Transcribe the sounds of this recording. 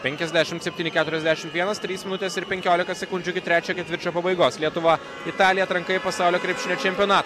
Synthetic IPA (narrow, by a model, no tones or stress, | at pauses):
pʲɛŋʲkʲɛzʲd̪ʲæʃʲɪmt̪sʲɛp̪ʲiːnʲɪkʲæːt̪ʊɾʲɛzʲd̪ʲæʃʲɪmt̪ʋʲiɛnɐst̪ʲɾʲiːsmʲɪnʊt̪ʲɛsɪɾpʲɛŋʲkʲoːlʲɪkɐsʲɛkʊnʲd͡ʒʲʊɪkʲɪt̪ʲɾʲæːt͡ʃʲɛːkʲɛt̪ʲʋʲɪɾʲˑt͡ʃʲoːpɐbɐɪɡoːslʲiɛt̪ʊʋɐ | ɪt̪ɑːlʲɪjɛɐt̪ɾɐŋkɐɪɪpɐsɑˑʊlʲoːkɾʲɛɪpʲʃʲɪnʲoːt͡ʃʲɛmʲpʲjɔnɑːt̪ː